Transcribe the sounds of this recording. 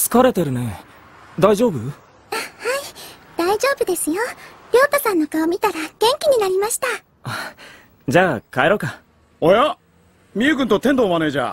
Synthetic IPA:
sɨ̥kaɾe̞t̪e̞ɾɯ̟ne̞ | d̪aiʑo̞ːbɯ̟ | ahai | d̪̥aiʑo̞ːbɯ̟d̪e̞sɨjoɾʲjo̞ːt̪osãnːo̞kaomʲit̪aɾaɡ̥ẽ̞ŋkʲiɲ̟inaɾʲimaɕi̥t̪a | a | d͡ʑaːkaeɾo̞ka | oja | mʲiɯɡɯ̟̃nt̪o̞t̪ẽ̞nd̪oːmane̞ːd͡ʑa̰ː

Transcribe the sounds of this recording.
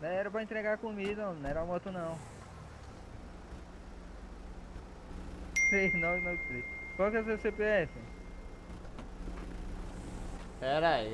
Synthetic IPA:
nɛ̃ɛɾɐpɾɐẽt̪ɾeɡaɾkõmid̪ɐõmñɛɾãmot̪ʊnɐ̃w̃ | senɔ̃snɛ̥flikkawkɛsesepeɛfɪ | pɛɾai

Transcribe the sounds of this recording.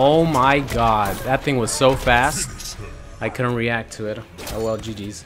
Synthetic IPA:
oʊmaɪɡɑd̚ðɨt̪̚θɪ̃ŋwʌz̥soʊfæst̚ | aɪkʰʊdⁿn̩t̚ɹiæk̚tʰɨɪtoʊwɛlˠd͡ʒidiz̥

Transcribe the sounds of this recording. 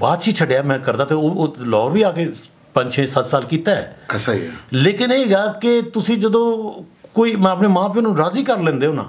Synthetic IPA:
baːd̪t͡ʃʰiːt͡ʃʰəɖejaːmɛ̃ːkəɾd̪aːt̪eoːlɔːɾʋiːaːkeː | pə̃ɲt͡ʃʰẽːsət̪saːlkiːt̪aːɛ̰ːəsaḭɛ̰leːkɪneːɡaːket̪ʊsĩːd͡ʒəd̪õːkoːiːm̃əpneːmãːp̬enũːɾaːziːkəɾlɛ̃ːnd̪eːʊnã̰ː

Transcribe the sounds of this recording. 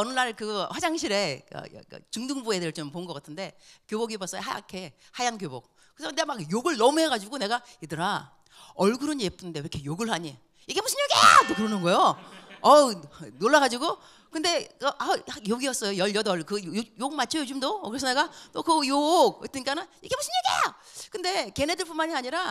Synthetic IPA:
ʌnɯɭːaɭkɯɸwad͡ʑaŋɕʰiɾe̞ka̰t͡ɕɯŋduŋbuedɯɾɯɭt͡ɕomponɯnɡʌk͈atʰɯnde̞kjoboɡibʌs͈ʌjoɦaja̰kʰe | hajankjobo̰k̚ː | ɯsʰʌneɡamakjoɡɯɭnʌmuɦe̞ɡad͡ʑiɡone̞ɡaidɯɾa | ʌɭɡɯɾɯɲeep͈ʰɯnndeɯɾʌkʰejoɡɯɭɦaɲi | iɡe̞musʰɯnɲjʌɡḛdokɯɾʌnɯnɡʌjoʌnoɭːaɣad͡ʑiɡo | kɯnde̞kʔajakjoɡiʌs͈ʌjojʌɭjʌdʌɭkɯojoɡmat͡ɕʰʌjod͡ʑɯmdokɯɾe̞sʰʌne̞ɡanokɯjoɡ̚ḛt͈ɯɲik͈anɯniɡe̞musʰɯnɲiɡḛ | kɯnde̞ke̞ne̞dɯɭp͈unmaɲiaɲiɾa

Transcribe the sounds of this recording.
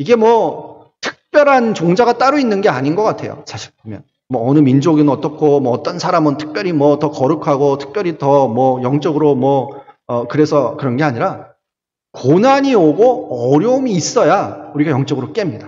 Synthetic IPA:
iɡe̞mwʌ | tʰɯ̥k̚p͈jʌɾɦant͡ɕoŋd͡ʑaɡat͈aɾoinːɯnɡe̞aɲinɡʌk͈atʰe̞̰jo̰sʰaɕʰi̥ɭp̚ʰomjʌn | mwʌːnɯmind͡ʑoɡinnʌt͈ʌkʰomʌːt͈ʌnsʰaɾamɯntʰɯ̥k̚p͈jʌɾimwʌtʌkʌɾɯkʰaɡotʰɯ̥k̚p͈jʌɾitʌmwʌjʌŋt͡ɕ͈ʌɡɯɾomwʌːkɯɾe̞sʰʌkɯɾʌnɡe̞aɲiɾa | konaɲioɡoʌɾjʌumiːs͈ʌjauɾiɡajʌŋt͡ɕ͈ʌɡɯɾok͈e̞mɲida

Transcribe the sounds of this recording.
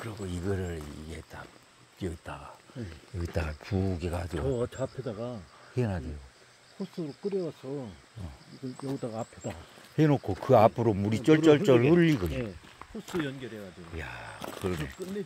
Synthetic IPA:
kɯɾʌɡoiɡʌɾɯɭḭɡet͈ap | k͈eit͈aɡaʌit͈aɡapuɡeɡad͡ʑiɡot͡ɕapʰedaɡahenadweɡo | hʰos͈ɯɾok͈ɯɾjʌwasʰʌ | ʌiɡʌnjʌɡidaɡaapʰed̥ahenokʰokɯapʰɯɾomuɾit͡ɕ͈ʌɭt͡ɕ͈ʌɭt͡ɕ͈ʌɭhɯʎːiɡoɲa | hʰos͈ɯjʌnɡjʌɾeɡad͡ʑiɡojakɯɾʌne

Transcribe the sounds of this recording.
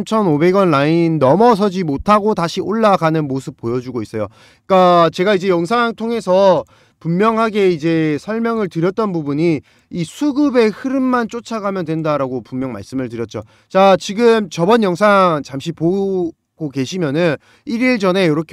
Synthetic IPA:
mt͡ɕʰʌnobe̞ɡʌnlainːʌmʌs̬ʰʌd͡ʑimotʰaɡotaɕʰiʔoɭːaɡanɯnmosʰɯp̚p͈ojʌd͡ʑuɡois͈ʌjo | k͈at͡ɕe̞ɡaid͡ʑe̞jʌŋsʰaŋtʰoŋe̞sʰʌ | pumːjʌŋɦaɡe̞id͡ʑe̞sʰʌɭmjʌŋɯɭtɯɾjʌt̚t͈ʌnbubuɲi | isʰuɡɯbe̞hɯɾɯmːant͡ɕ͈ot͡ɕʰaɡamjʌndwe̞ndaɾaɡopumjʌŋma̰ɭs͈ɯmɯɭtɯɾjʌt̚t͡ɕ͈o | t͡ɕat͡ɕiɡɯmt͡ɕʌbʌnjʌŋsʰaŋt͡ɕamɕʰipo | ɡ̥oke̞ɕʰimjʌnɯn | iɾiɭd͡ʑʌne̞jʌɾʌkʰ

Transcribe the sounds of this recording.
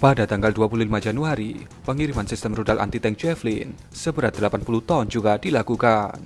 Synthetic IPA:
padat̪aŋɡalduapululimad͡ʒanuaɾi | pəŋiɾimansɪst̪əmrudalʔa̰nt̪it̪ɛŋd͡ʒɛflin | səbəɾat̪̚dəlapanpulut̪aʊnd͡ʒuɡadilakukan

